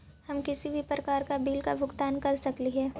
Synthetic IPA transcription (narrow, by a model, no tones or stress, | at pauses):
hɐmkɪsibʱipɾɐkaːɾkabiːlkabʱʊɡt̪aːnkɐɾsɐkliɦɛː